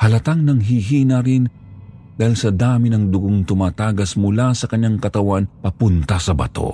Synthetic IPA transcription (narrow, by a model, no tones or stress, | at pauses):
hɐlɐt̪aŋnɐŋɦiɦiːnɐɾɪn | d̪aːhilsɐd̪aːmɪnɐŋd̪ʊɡoŋt̪ʊmaːt̪aːɡɐsmʊlasɐkɐɲaŋkɐt̪ɐwanpɐpʊnt̪ɐsɐbɐ̰t̪o̞̰